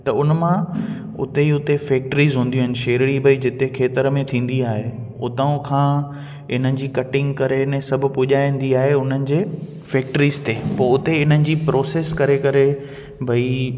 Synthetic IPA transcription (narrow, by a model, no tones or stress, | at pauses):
t̪ɐʊnəmã | ʊ̰t̪eiʊt̪efeːk̚ʈəɾiːzɦũːnd̪iũɦɪ̃nɪ̆ʃeːɾɪɽibʱɐid͡ʑɪt̪ekʰeːt̪əɾəmẽt̪ʰĩːn̆d̪iaːɦe | ʊt̪əʊ̃kʰãː | ɪn̤ənɪ̆d͡ʑiːkɐʈɪ̃ŋɡkɐɾensɐbʱʊ̆pʊʄaːĩːn̆d̪iaːɦeʊn̤ənɪ̆d͡ʑeː | feːk̚ʈəɾiːzt̪eːpɐːʊt̪eɪn̤ənɪ̆d͡ʑiːpɾoːseːskɐɾekɐɾe | bʱɐi